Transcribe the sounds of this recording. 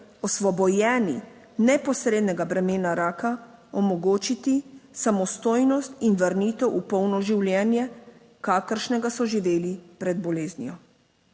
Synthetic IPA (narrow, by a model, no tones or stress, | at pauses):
ɔsʋɔbɔjɛːni | nɛpɔsɾeːd̪nɛɡabɾɛmeːnaɾaːka | ɔmɔɡoːt͡ʃit̪isamɔst̪oːjnɔst̪inʋɐɾniːt̪ɛwʔupɔwnɔʒiwljɛːnjɛ | kaːkəɾʃnɛɡasɔʒiʋeːlipɾɛd̪̚bɔleːznjɔ